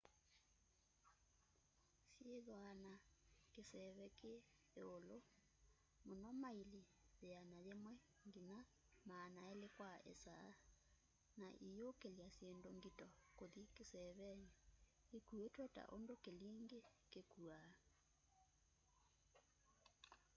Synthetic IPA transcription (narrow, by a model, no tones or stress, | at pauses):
sjeðwanakesɛβɛkeː | olo | monɔmaili | ðeanaðemwɛ | ŋɡina | manaelekwaɛ̰saː | naʔijokeljasjendoŋɡitɔkoðikesɛβɛɲɛ | ekuetwɛta̰ʔondokeliːŋɡekekua